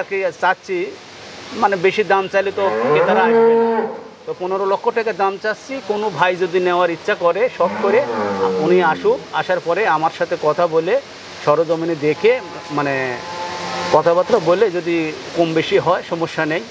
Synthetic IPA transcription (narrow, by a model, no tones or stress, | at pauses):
ɾket͡ɕatːɕʰi | manebeʃid̪amt͡ɕalit̪oɡet̪aɾaaɡbe | t̪oponeɾolokʰːoʈakad̪amt͡ɕast͡ɕʰikonobʱajd͡ʑod̪ineoaɾitːɕʰʃʰakɔɾeʃɔb̚koɾea̰uniaʃuaʃaɾpɔɾeamaɾʃat̪ʰekɔt̪ʰabole | ʃɔɾod͡ʑomined̪ekʰe | mane | kɔt̪ʰapat̪ːɾaboled͡ʑod̪ikonbeʃiɦɔeʃɔmoʃːanej